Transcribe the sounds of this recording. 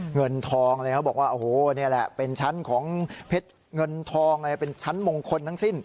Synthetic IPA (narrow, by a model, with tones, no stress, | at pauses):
ŋɤ˧nt̪ʰɔː˧ŋlːkʰa˦˥wbɔː˨˩k̚waː˥˩ʔoː˨˩hoː˨˩ni˥˩ɐlɛ˨˩ʔpe˧nt͡ɕʰa˦˥nkʰɔː˩˦ŋpʰe˦˥t̪̚ | ŋɤ˧nt̪ʰɔː˧ŋlːpe˧nt͡ɕʰa˦˥nmo˧ŋkʰo˧nt̪ʰa˥˩ŋsi˥˩n